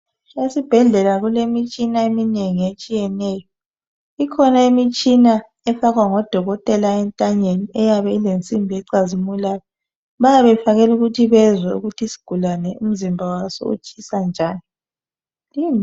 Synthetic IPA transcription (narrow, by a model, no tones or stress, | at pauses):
esib̥ʱɛɮɛlaɣulemit͡ʃʼinaemineŋiet͡ʃʼijɛnɛːjɔ | ikʰɔnaemit͡ʃʼina | ɛfaɣwaŋɔd̥ʱɔɣɔtʼɛlaɛntʼaɲeniɛjaβɛilent͡sʼimbʱɛǀazimulajɔ | βajaβɛfaɣɛluɣutʰiβɛzwɛṵɣutʰisi̥ɡ̥ʱulanɛum̩zimbʱawasɔ̰ṵt͡ʃʼisand͡ʒʱaːni | lim